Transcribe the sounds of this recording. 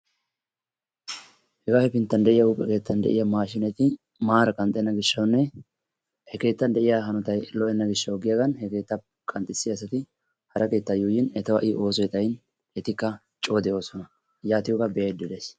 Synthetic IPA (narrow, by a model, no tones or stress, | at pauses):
hɛɡaːhɛpɪnt̪ːɐnd̪ɛʔɪjɐuːpʼːɛke̞ːt̪ːɐnd̪ɛ̰ʔɪjɐmaːʃɪnɛt̪ɪ | maːɾɐkʼɐnt̪ʼɛnːɐɡɪʃːɐwnːɛ | hɛke̞ːt̪ːɐnd̪ɛʔɪjaɦɐnɔt̪ɐjlɔʔɛnːɐɡɪʃːɐwɡɪjaːɡɐnhɛke̞ːt̪ːɐ | kʼɐnt̪ʼɪsːɪjɐsɐt̪ɪ | hɐɾɐke̞ːt̪ːajuːjɪnɛt̪ɐwɐ̰ʔɪʔo̞ːsɔjɛt̪ʼɐjn | ɛt̪ɪkːɐ | t͡ʃʼo̞ːd̪ɛoːsɔnɐ | jaːt̪ɪjɔkɐbɛɐjd̪ːɪd̪es